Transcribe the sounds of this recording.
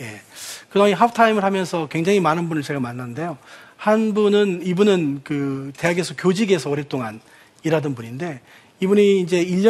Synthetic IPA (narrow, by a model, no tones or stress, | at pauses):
je̞kɯdaŋiɦapʰtʰaimɯɭhamjʌnsʰʌkwe̞ŋd͡ʑaŋimanɯnbunɯɭt͡ɕe̞ɡamanːanɯnde̞johanbunɯnibunɯnkɯte̞aɡe̞sʰʌkjod͡ʑiɡe̞sʰʌːɾet͈oŋan | iɾadɯnbuninde̞ | ibuɲiːnd͡ʑe̞iʎːʌ